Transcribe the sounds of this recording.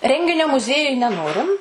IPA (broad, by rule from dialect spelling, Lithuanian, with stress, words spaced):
ˈrʲɛŋʲɡʲɪnʲoː mʊˈzʲiɛjʊj nʲɛˈnoːrʲɪm